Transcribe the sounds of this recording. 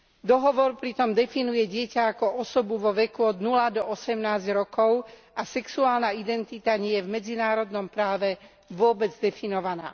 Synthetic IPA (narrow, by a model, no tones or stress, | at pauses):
d̪ɔɦɔʋɔɾpɾit̪ɔmd̪ɛfinujɛɟɪɛcaːkɔʔɔsɔbuʋɔʋɛkuɔd̪nulad̪ɔɔsɛmnaːzɟɾɔkɔʊ | asɛksuaːlnaid̪ɛnt̪it̪aɲɪɛjɛvmɛd͡zinaːɾɔd̪nɔmpɾaːʋɛ | ʋʊɔbɛd͡zd̪ɛfinɔʋana̰ː